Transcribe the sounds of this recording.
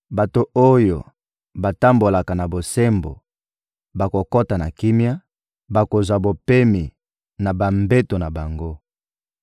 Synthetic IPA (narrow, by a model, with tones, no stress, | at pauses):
ba˨to˨o˦jo˨ | ba˨ta˦mbo˨la˨ka˨na˨bo˨se˦mbo̰˨ | ba˨ko˨ko˦ta˨na̰˨ki˦mja˦ | ba˨ko˨zwa˨bo˨pe˦mi˨ | na˨ba˨mbe˦to˨na˨ba˨ŋɡo˦